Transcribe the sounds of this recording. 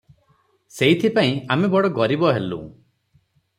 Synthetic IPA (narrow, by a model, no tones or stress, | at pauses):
seit̪ʰipaĩamebɔɽɔɡɔɾibɔɦelṵ̃